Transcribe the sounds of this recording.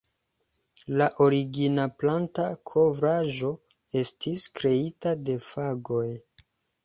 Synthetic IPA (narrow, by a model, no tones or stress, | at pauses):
laʔo̞ɾiɡinaplantakʰo̞vɾaʒo̞ | e̞stʰiskɾe̞itade̞faɡo̞j